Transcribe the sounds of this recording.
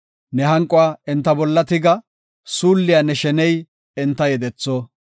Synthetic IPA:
nɛɦɐŋkʼʊwaːɛnt̪ːɐbɔlːɐt̪ɪɡɐ | suːlːɪjanɛʃɛnɛj | ɛnt̪ːɐjɛd̪ɛt͡sːo

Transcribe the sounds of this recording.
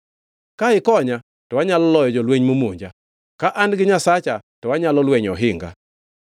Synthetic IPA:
kaɪkɔɲa | tɔwaɲalɔlɔjɔd͡ʒɔlweɲmomoɲd͡ʒa | kaʔanɡɪɲasat͡ʃatɔwaɲalɔlweɲɔɦɪŋɡa̰

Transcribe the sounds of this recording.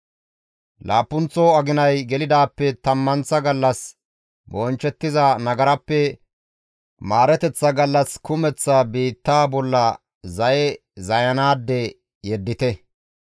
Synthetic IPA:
laːpːʊnt͡sɔɐɡɪnɐjɡɛlɪd̪aːpːɛt̪ɐmːɐnt͡sːɐɡɐlːɐs | bɔnt͡ʃːɛt̪ːɪzɐnɐɡɐɾɐpːɛ | maːɾɛt̪ɛt͡sːɐɡɐlːɐskʊmɛt͡sːɐbiːt̪ːaːbɔlːɐ | zɐjɛ | zɐjɐnaːd̪ːɛ | jɛd̪ːɪt̪ɛ

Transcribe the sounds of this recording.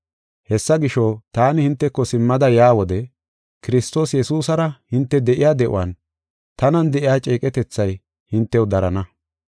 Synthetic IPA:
hɛsːɐɡɪʃɔt̪aːnɪhɪnt̪ːɛkːɔsɪmːɐd̪ɐjaːwɔd̪ɛ | kɪɾɪst̪o̞ːsjɛsuːsɐɾɐhɪnt̪ːɛd̪ɛʔɪjaːd̪ɛʔʊ̰wɐ̰n | t̪ɐnɐnd̪ɛʔɪjaːt͡ʃʼeːkʼɛt̪ɛt͡sːɐj | hɪnt̪ːɛwd̪ɐɾɐnɐ

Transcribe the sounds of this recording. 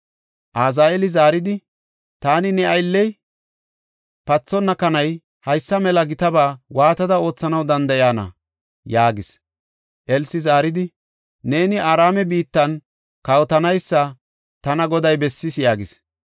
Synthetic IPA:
ʔaːzaːjɛlɪzaːɾɪd̪ɪ | t̪aːnɪnɛɐjlːɛj | pɐt͡sːɔnːɐkɐnɐj | hɐjsːɐmɛlɐɡɪt̪ɐbaːwaːt̪ɐd̪ɐo̞ːt͡sːɐnɐwd̪ɐnd̪ɐjaːnɐ̰ | jaːɡɪs | ʔɛlsɪzaːɾɪd̪ɪ | ne̞ːnɪaːɾaːmɛbiːt̪ːɐn | kɐwt̪ɐnɐjsːɐ | t̪ɐnɐɡɔd̪ɐjbɛsːɪsjaːɡɪs

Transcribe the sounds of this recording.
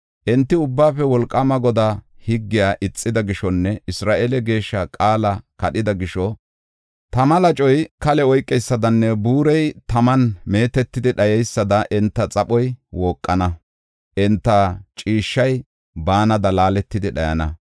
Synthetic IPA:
ʔɛnt̪ːɪʊbːaːfɛwɔlkʼːɐmɐɡɔd̪ahɪɡːɪjaːʔɪt͡sʼːɪd̪ɐɡɪʃɔnːɛɪsɾaːʔelɛɡe̞ːʃːɐkʼaːlɐkɐɗɪd̪ɐɡɪʃɔ | t̪ɐmɐlɐt͡ʃʼɔjkɐlɛɔjkʼːɛjsːɐd̪ɐnːɛbuːɾɛjt̪ɐmɐnme̞ːt̪ɛt̪ːɪd̪ɪɗɐjɛjsːɐd̪ɐʔɛnt̪ːɐt͡sʼɐpɔjwɔːkʼːɐnɐ | ʔɛnt̪ːɐt͡ʃʼiːʃːɐj | baːnɐd̪ɐlaːlɛt̪ːɪd̪ɪɗɐjɐ̰nɐ̰

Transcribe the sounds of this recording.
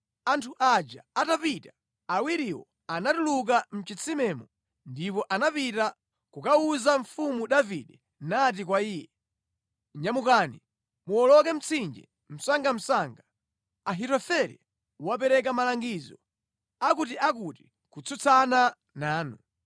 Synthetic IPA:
antʰuʔad͡ʒaatapita | awiɾiwɔ | anatuluk̬am̩t͡ʃit͡sʰimɛmɔ | ndipɔʔanapita | kukauzaɱfumuɗaviɗɛ | nat̬ik̬waiːjɛ | ɲamukaːni | muɔlɔkɛm̩t͡sʰind͡ʒɛ̰ | m̩saŋɡam̩saŋɡa | aɦitɔfɛɾḭ | wap̬ɛɾɛk̬amalaŋɡizɔ | akutiʔak̬uti | kut͡sʰut͡sʰana | naːnu

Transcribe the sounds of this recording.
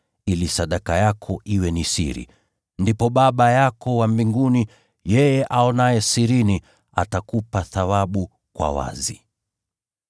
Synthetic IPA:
ilisaɗakajakʰɔʔiwɛnisḭɾḭ | ndipɔɓaɓajakɔwambiŋɡuni | jɛjɛʔaɔnajɛsiɾini | a̰takupaθawaɓu | kwa̰wa̰zi

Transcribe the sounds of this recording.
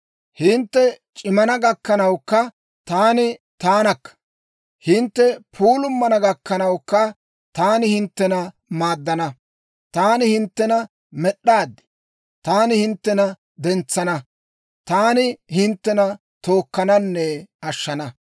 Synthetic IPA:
hɪnt̪ːɛ | t͡ʃʼɪmɐnɐɡɐkːɐnɐwkːɐ | t̪aːnɪt̪aːnɐkːɐ̥ | hɪnt̪ːɛpʰuːlʊmːɐnɐɡɐkːɐnɐwkːɐ | t̪aːnɪhɪnt̪ːɛnɐ | maːd̪ːɐnɐ | t̪aːnɪhɪnt̪ːɛnɐ | mɛɗːaːd̪ːɪ̥ | t̪aːnɪhɪnt̪ːɛnɐ | d̪ɛnt͡sːɐnɐ | t̪aːnɪhɪnt̪ːɛnɐ | t̪o̞ːkːɐnɐnːɛɐʃːɐnɐ

